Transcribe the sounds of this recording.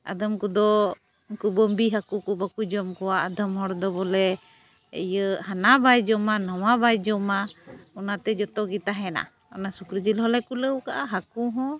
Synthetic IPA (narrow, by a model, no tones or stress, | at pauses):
a̰d̪əmkud̪ɔ | inkubɔmbiɦakukɔbakud͡ʒɔmkɔwaʔad̪ʱɔmɦɔɽd̪ɔbɔlɛ | ə̰jəhanabajd͡ʒɔmanɔwabajd͡ʒɔmaɔnat̪ɛd͡ʒɔt̪ɔɡit̪aɦɛna̰ | ɔnasukɾəd͡ʒilɦɔlɛkuləwkaʔaɦakuɦɔ̃